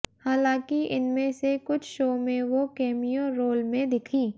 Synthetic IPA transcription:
haːlãːkiɪnmẽsekʊt͡ʃʰʃoːmẽʋokɛːmijõɾoːlmẽd̪ɪkʰiː

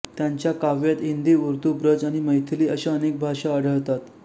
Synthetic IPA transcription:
t̪jaɲt͡ɕjakaʋjat̪ind̪iːuɾt̪ubɾəd͡zaɽ̃iməjt̪ʰliːəɕeənek̚bʱaʂaəɽ̤əɭt̪at̪

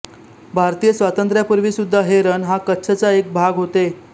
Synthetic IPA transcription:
bʱaɾt̪ijəsʋat̪ənt̪ɾjapuɾʋiːsud̪ʱːaɦeɾənɦakətːɕʰət͡saek̚bʱaɡɦot̪e

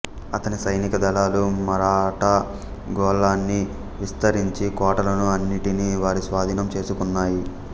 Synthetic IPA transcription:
ɐt̪ɐnisɐjnikɐd̪ɐlaːlumɐɾaːʈɐ | ɡɔːlaːnːi | ʋist̪ɐɾiɲt͡ʃikɔːʈɐlɐnuɐnːiʈiniʋaːɾisʋaːd̪ʱiːnɐmt͡ʃe̞ːsukunːaːji

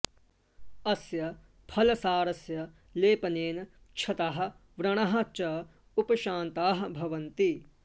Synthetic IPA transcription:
ɐsjɐ | pʰɐlɐsaːɾɐsjɐ | leːpɐneːnɐ | t͡ʃʰɐt̪aːɦɐ̆ʋɾɐɳ̃ɐɦɐ̆t͡ʃɐ | upɐʃaːnt̪aːɦɐbʱɐʋɐnt̪i

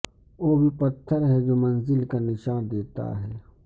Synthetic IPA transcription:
oːbʱipɐt̪ʰːəɾɦɛd͡ʒoːmɐnzɪlkanɪʃaːnd̪eːt̪a̰ɦɛː

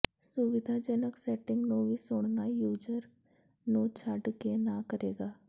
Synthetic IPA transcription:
sʊʋɪd̪ʱaːd͡ʒənəksɛːʈɪ̃ŋɡnũːʋiːsʊɳnaːjuːd͡ʒəɾ | nũːt͡ʃʰəɖkenãːkəɾeːɡaː

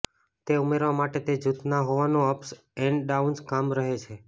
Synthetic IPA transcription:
t̪eumeɾʋamaʈet̪ed͡ʒut̪naɦoʋanũəps | ẽɳɖɖaunskamɾəɦet͡ʃʰe

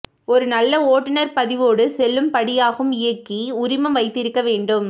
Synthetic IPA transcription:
ɔɾɯnɐlːɐoːʈːɪnɐɾpɐðɪʋoːɽɯsɛlːɯmpɐɽɪjaːɣɯmɪjɐkːiʊɾɪmɐmʋɐɪt̪ːɪɾɯkːɐʋeːɳɖɯm

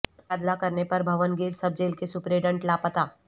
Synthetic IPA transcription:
ad̪lakɐɾnepɐɾbʱɐʋənɡiːɾsɐb̚d͡ʒeːlkesʊpɾeɖə̃ɳʈlaːpət̪aː

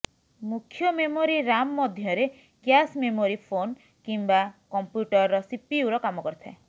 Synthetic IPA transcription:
mukʰjɔmemoɾiɾamɔːɔd̪ʱjɔɾe | kjasmemoɾipʰon | kimbakɔmpjuʈɔɾɾɔsipiuɾɔkamɔkɔɾt̪ʰa̰

